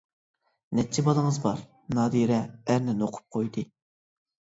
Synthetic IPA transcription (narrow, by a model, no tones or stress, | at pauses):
nɛt͡ʃʰːɛbɑlˠəŋəzbɑɾ | nɑːd̪iɾɛːɾnɪnoqʰʊ̥p̚qʰojd̪ɨ